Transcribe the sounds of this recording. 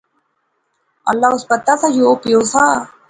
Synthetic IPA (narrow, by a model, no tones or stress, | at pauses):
ɐ̰lːaːʊspət̪ːaːsad͡ʒoopjoːsaː